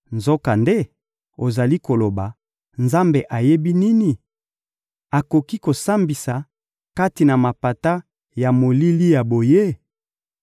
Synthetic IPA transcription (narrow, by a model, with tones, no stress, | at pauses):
nzo˦ka˨nde˦ | o˨za˨li˦ko˨lo˨ba˨ | nza˦mbe˨ʔa˨je˦bi˦ni˦ni˨ | a˨ko˨ki˦ko˨sa˦mbi˨sa˨ | ka˦ti˨na˨ma˨pa˨ta˦ | ja˨mo˨li˦li˦ja˨bo˨je˦